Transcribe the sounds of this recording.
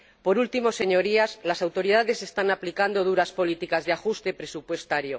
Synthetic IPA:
po̞ɾult̪imo̞se̞ɲo̞ɾiazlasawt̪o̞ɾiðaðe̞se̞st̪anaplikand̪o̞ðuɾaspo̞lit̪ikazðeaxust̪e̞pɾe̞supwe̞st̪aɾjo̞

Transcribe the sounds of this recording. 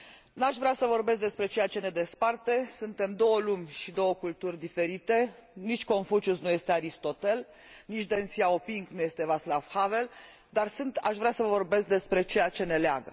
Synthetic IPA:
naʃvɾeasəvo̞rbe̞s̬k̚d̪espɾe̞t͡ʃe̞jat͡ʃe̞ne̞d̪e̞spart̪e̞sunt̪e̞md̪o̞wəlumʲʃid̪o̞wəkult̪urʲd̪ife̞ɾit̪e̞nit͡ʃʲko̞ɱfut͡ʃusnuje̞st̪eaɾist̪o̞t̪e̞l | nit͡ʃʲd̪ensiaopiŋknuje̞st̪e̞vaslafhave̞l | d̪arsɨnt̪aʃvɾeasəvo̞rbe̞sk̚d̪e̞spɾe̞t͡ʃe̞jat͡ʃe̞ne̞lea̰ɡə

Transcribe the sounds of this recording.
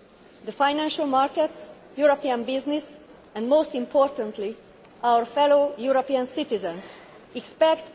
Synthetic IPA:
d̪əfãjnæ̃nʃəlmaɹkɛt̪s | juɾopiãnbiznis | ɛ̃nd̪moːst̪ĩmpʰoɾt̪ə̃nt̪li | ʔawəɹfɛlojuɾopiãnsit̪izə̃ns | ikspɛkt̪

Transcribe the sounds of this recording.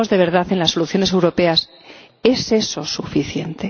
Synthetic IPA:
o̞zðe̞β̞e̞ɾðaθe̞nlasːo̞luθjo̞nese̞wɾo̞pe̞as | e̞se̞so̞sufiθje̞nt̪e̞

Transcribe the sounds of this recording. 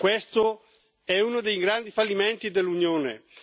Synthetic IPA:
kwest̪o | ɛunod̪ejɡɾand̪ifalːimɛnt̪id̪elːunjoːnḛ

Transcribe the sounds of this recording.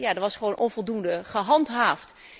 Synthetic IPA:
jadəʋɑsχʋownʔɔnvɔlˠdundəχəɦɑntɦaːft

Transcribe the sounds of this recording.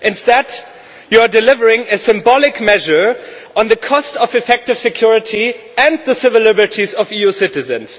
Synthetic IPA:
ʔɨ̃nstɛd | juadɨlɪvə˞ɪ̃ŋɨsɨ̃mbɔlɪkmɛʒə˞ɔ̃nðɨkʰɔstɔvɨfɛk̚tɨv̥sɨkʰj̥ʊɹɨtʰi | ɨ̃nðəsɪvəlɪbə˞tʰizʌvijusɪtɨzɨ̃ns

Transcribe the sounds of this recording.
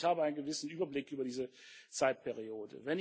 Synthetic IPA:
haːbəaɪnɡəvɪsn̩ʔyːbɐblɪkʔyːbɐɾiːzət͡saɪt̚pʰɛʁioːdə̰vɛn

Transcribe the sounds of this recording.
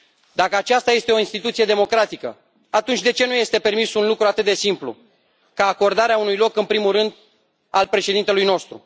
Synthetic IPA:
d̪akəat͡ʃast̪aje̞st̪e̞o̞inst̪it̪ut̪sije̞d̪e̞mo̞kɾat̪ikə̰ | at̪unt͡ʃʲd̪e̞t͡ʃe̞nuje̞st̪e̞pe̞rmisunlukɾuat̪ɨt̪̚d̪esimplṵ | kaːko̞rd̪aɾeaunujlo̞kɨnpɾimurɨnd̪ | alpɾe̞ʃed̪int̪e̞lujno̞st̪ɾṵ

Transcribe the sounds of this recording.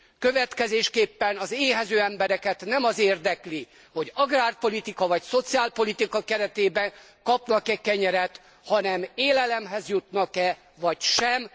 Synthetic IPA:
køvɛt̪kɛzeːʃkeːpːɛnɒzeːɦɛzøːɛmbɛɾɛkɛt̪nɛmɒzeːrd̪ɛkli | ho̞ɟɒɡraːrpo̞lit̪ikɒvɒcso̞t̪siaːlpo̞lit̪ikɒkɛɾɛt̪eːbɛŋ | kɒpnɒkɛkɛɲɛɾɛt̪ | hɒnɛmeːlɛlɛmɦɛzjut̪nɒkɛ | vɒcʃɛm

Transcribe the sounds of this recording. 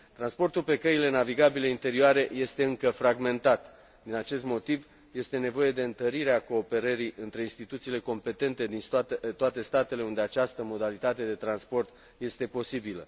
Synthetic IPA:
t̪ɾanspo̞rt̪ulpe̞kəile̞naviɡabileint̪e̞ɾioaɾe̞je̞st̪e̞ɨŋkəfɾaɡme̞nt̪at̪ | d̪inat͡ʃe̞st̪mo̞t̪iv | je̞st̪e̞ne̞vo̞je̞d̪e̞ɨnt̪əɾiɾeako̞ːpe̞ɾəɾiɨnt̪ɾe̞inst̪it̪ut̪siːle̞ko̞mpe̞t̪e̞nt̪e̞d̪inst̪oat̪e̞st̪at̪e̞le̞und̪eat͡ʃast̪əmo̞d̪alit̪at̪e̞d̪e̞t̪ɾanspo̞rt̪ | je̞st̪e̞po̞sibilə̰

